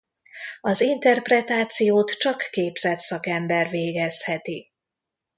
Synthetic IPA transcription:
ɒzint̪ɛrprɛt̪aːt̪sijoːt̪t͡ʃɒkːeːbz̥ɛt̪sɒkɛmbɛrveːɡɛshɛt̪i

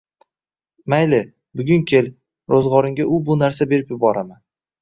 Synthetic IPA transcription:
majlɪ | bʊɡʲʊŋkʲʰe̞l | ɾozʁɒɾɪŋɡʲaʔʊbʊnaɾsabe̞ɾɪpjɪbɒɾaman

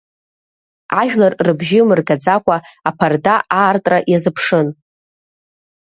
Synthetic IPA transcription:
aʒᶣlarrɨbʒɪmɨrɡad͡zakʷʰʼaapʰardaaːrtʼraʔjazɨpʰʂɨn

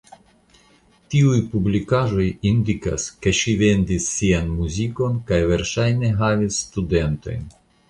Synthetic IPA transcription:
t̪iujpublikaʒo̞jind̪ika̰ske̞ʃive̞nd̪isːianmuziko̞nkajveɾʃajneɦavisːt̪ud̪ent̪o̞̰jn

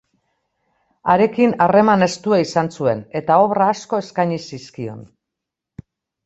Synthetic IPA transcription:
aɾe̞kinare̞mane̞st̪uaisansue̞ne̞t̪ao̞βraːsko̞e̞skaɲisiskio̞̰n

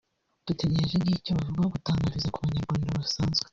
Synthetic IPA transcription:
d̥uteɾeʒenɡicoβavuɡaoɡutaːŋɡaɾizakuβaɲaɾɡaːndoβasaːnzɡwe

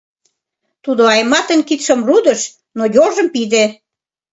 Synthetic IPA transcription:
t̪ud̪oɑjmɑt̪ənʲkit̪ʃəmrud̪ə̆ʃ | nojoʒə̆mpid̪e

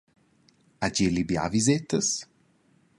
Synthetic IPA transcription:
aɟelibja̰vizet̪əs

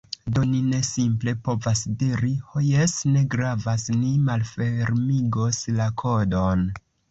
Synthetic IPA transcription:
do̞nine̞simple̞po̞vasdiɾihojesne̞ɡɾavasnimalfe̞ɾmiɡo̞slakʰo̞do̞n

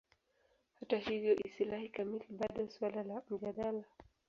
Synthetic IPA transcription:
hatahivjɔʔisilahikamiliɓaɗɔswalalam̩ʄaɗala

